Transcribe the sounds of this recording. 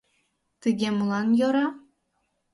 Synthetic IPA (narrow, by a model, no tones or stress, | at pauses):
t̪ɨɡʲemulˠɑnjŏɾɑ